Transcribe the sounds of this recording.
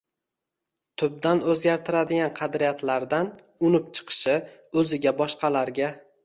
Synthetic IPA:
t̪ʰʊb̚d̪anɵzɡʲaɾt̪ʰɪɾad̪ɪɡʲanqʰɑd̪ɾijat̪laɾd̪an | ʊnɪp̚t͡ʃʰɨ̥qʰɨ̥ʃɪɵzɪɡʲabɒʃqɑlaɾɡʲa

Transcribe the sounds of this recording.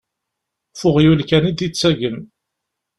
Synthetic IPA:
fʊʁjulkænid̪it͡sːæʝən

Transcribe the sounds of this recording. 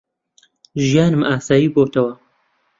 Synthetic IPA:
ʒijaːnɨmʔaːsaːjiːboːt̪ʰɐwɐ

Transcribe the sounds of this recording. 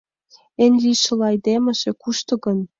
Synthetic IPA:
ĕnʲlʲiʃɤ̆lɑjd̪emə̆ʒĕkuʃt̪ɤ̆ɣɤ̆n

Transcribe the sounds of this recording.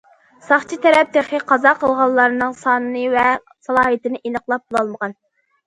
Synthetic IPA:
sɑχt͡ʃʰit̪ʰɛɾɛp̚d̪eχɪqʰɑzɑqʰəlˠʁɑlˠːɑɾɨnɨŋsɑːnɨnɨvɛ | sɑlˠɑːɦit̪ɪnɨʔenəqlˠɑp̚bulˠɑlˠməʁɑn

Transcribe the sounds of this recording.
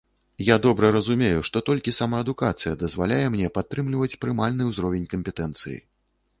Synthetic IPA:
jad̪ɔbɾɐɾɐzumʲejuʂt̪ɔt̪ɔlʲkʲisamaɐd̪ukat̪sɨjɐd̪ɐzvalʲajɛmnʲɛpat̪ːɾɨmlʲivɐt͡sʲpɾɨmalʲnɨwzɾɔvʲenʲkɐmʲpʲɛt̪ɛnt̪sɨjḭ

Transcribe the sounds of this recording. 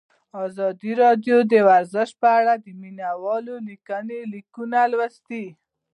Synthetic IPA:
ɑzɑd̪iɾɑɖjod̪əwaɾzəʃ̚pəaɽad̪əminawɑlolikənelikunalwast̪i

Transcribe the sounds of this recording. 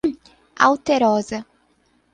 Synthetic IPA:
a̰wt̪eɾɔzɐ

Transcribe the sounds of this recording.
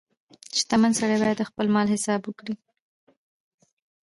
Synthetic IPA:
t͡ʃt̪amansaɽajbɑjad̪əxpəlmɑlhɪsɑbwəkɽi

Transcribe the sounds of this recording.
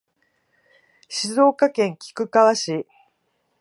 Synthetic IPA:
ɕizo̞ːkakẽ̞ŋkʲi̥kɯ̟kaβaɕi

